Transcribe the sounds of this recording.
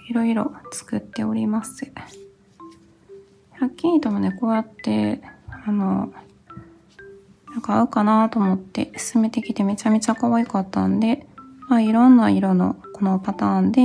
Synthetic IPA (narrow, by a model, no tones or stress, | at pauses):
iɾo̞iɾo̞̰t͡sɨ̥kɯt̪ːe̞o̞ɾʲimasɨ̥ | hakʲĩːt̪o̞mane̞ko̞ːjat̪ːe̞ano̞ | nãŋkaːɯ̟kanat̪o̞ːmo̞t̪ːe̞̰sɨ̥sɨme̞t̪e̞kʲi̥t̪e̞me̞t͡ɕame̞t͡ɕakoβaikat̪ːa̰nd̪e̞maiɾõ̞nːaiɾo̞no̞̰ko̞no̞pat̪aːnd̪e̞